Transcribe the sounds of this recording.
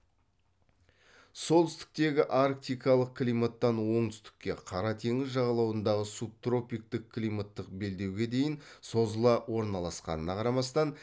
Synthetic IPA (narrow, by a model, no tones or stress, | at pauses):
so̞lˠt̪ʰʏst̪ɪ̥k̚t̪e̞ɡʲɪʔaɾk̚t̪ijkɑlˠəq̚kʰʲlijmat̪ːɑnwo̞ɴt̪ʏ̥st̪ɪ̥kʲːe̞qʰɑɾɑt̪ʰe̞ŋɪzʒɑʁɑlˠɑwənd̪ɑʁəsup̚t̪ro̞pijk̚t̪ɪkʲʰlijmat̪ːəq̚be̞ld̪e̞wɡʲe̞d̪e̞jɪnso̞zəlˠɑwo̞ɾnɑlˠɑsqɑ̰nənɑqʰɑɾɑmɑst̪ɑn